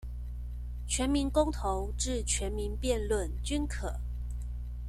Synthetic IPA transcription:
t͡ɕʰɥɛ˧˦˥nmi˧˦nkʊ˥ŋt̪ʰo˧˦ʊʈ͡ʂɻ̩˥˩t͡ɕʰɥɛ˨˧˥nmi˨˧˥npjɛ˥˧nlwə˥˨nt͡ɕy˥nkʰɤ˨˩˦

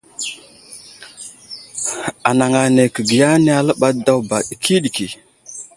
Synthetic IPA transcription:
a˨na˨ŋa˨ne˨kə˨ɡi˨ja˦ne˦a˦lə˦ɓa˦da˦wba˨ɗi˨kʰi˦ɗi˨ki˨

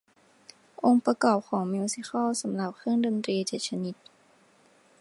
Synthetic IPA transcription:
ʔo˧ŋpɾa˧kɔː˨˩p̚kʰɔː˩˦ŋmiː˧si˧˥xa˥˩wsa˩˦mla˨˩p̚kʰɯ˥˩˨ŋdo˧nt̪ɾiː˧t͡ɕeː˨˩t̪̚sʰa˧ni˧˦˥t̪̚

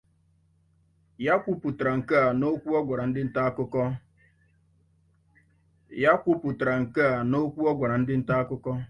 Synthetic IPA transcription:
ja˦kʷʊ˦pʊ˨tɾa˨ŋ̩˨ka˦a˨no˦kʷu˦ɔ˦ɡʷa˨ɾa˨n̩˦dɪ˦n̩˦ta˦a˦kʊ˦kɔ˦ | ja˦kʷu˦pʊ˨tɾa˨ŋ̩˨ka˦a˨no˦kʷu˦ɔ˦ɡʷa˨ɾa˨n̩˦dɪ˦n̩˦ta˦a˦kʊ˦kɔ˦

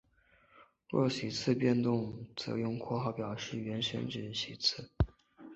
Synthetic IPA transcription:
ɻwɔ̰˥˩ɕi˨˩t͡sʰɹ̩˥˧pjɛ˥˧nt̪ʊ˥˩ŋt͡sɤ̰˧˥jʊ˥˧ŋkʰwɔ˥˧xɑ˥˩ʊpjɑ˨˩ʊʂɻ̩˥˩ɥɛ˧˥nʂə̰˧˥nʈ͡ʂɻ̩˨˩ɕi˨˩t͡sʰɹ̩˥˩

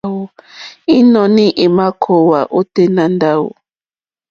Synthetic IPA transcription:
wo˨i˦nɔ̃˨nĩ˦ʔe˨ma˦kʰo˨wa˨ʔo˦te˦nã˨nda˦wo̰˨

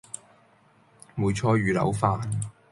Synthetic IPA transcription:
muː˨˧jt͡ʃʰɔː˧ɥyː˨lɐ̰˨˧wfaː˧n

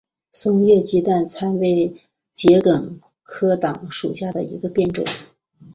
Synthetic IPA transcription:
sʊ˥ŋjɛ˥˩t͡ɕi˥t̪wa˥˩nt͡sʰa˥nwe˧˥ɪ | t͡ɕjɛ˧˥lə˨˩ŋ | kʰɤ˥t̪ɑ˨˩˦ŋʂu˨˩ɕja˥˩d̪ə̰˩ḭ˧˥ɡə˧pjɛ˥˧nʈ͡ʂʊ̰˨˩˦ŋ

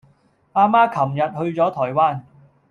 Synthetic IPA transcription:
ʔaː˧maː˥kʰɐ˨˩mjɐ˨t̚hɵ˧ɥt͡sɔː˨˥t̪ʰɔː˨˩jwaː˥˩n

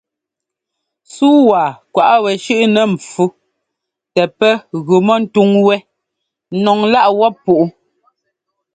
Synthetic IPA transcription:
suː˦waː˨kwa˨ʔa˦wɛ˨ʃʉ˦ʔnɛ˨m˨p͡fu˦ | tɛ˨pɛ˦ɣʉ˨mɔ˦n̩˦tu˦ŋwɛ˦ | nɔ˨ŋla˦ʔwɔ˦pːu˨ʔu˦

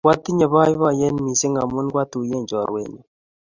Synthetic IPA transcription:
kwa˦t̪i˦ɲa˨βa˦jβa˦˨jɛ˦nmi˨se˦ŋɡa˨mu˦nkwa˦t̪u˨je˦˨ɲd͡ʒɔ˨ɾwḛ˦˨ɲu˨

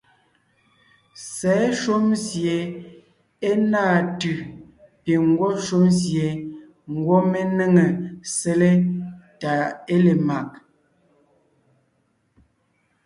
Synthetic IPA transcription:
sɛ˨˦ʃu˦mzje˨ | e˦naː˦˨tʉ˨ | pe˨ŋ˦ɡwɔ˦ʃu˦mzje˨ | ŋ̩˨ɡwɔ˦me˦ne˦ŋe˨se˦le˦ta˨e˦le˨ma˨k̚

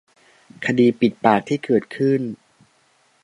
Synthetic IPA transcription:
kʰa˧diː˧pi˨˩t̪̚paː˨˩k̚t̪ʰiː˥˩kɤː˨˩t̪̚kʰɯ˥˩n

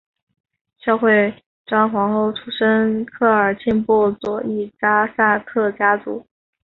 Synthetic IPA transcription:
ɕjɑ˥˧ʊxwe˥˩ɪ | ʈ͡ʂɑ˥ŋxwɑ˧˥ŋxo˥˩ʊʈ͡ʂʰu˥ʂə˥nkʰɤ˥˩ə˞˨˩t͡ɕʰi˥˧npu˥˩t͡swɔ˨˩i˥˩ʈ͡ʂa˥sa˥˧k̪ʰɤ˥˩t͡ɕja˥t͡sṵ˧˥

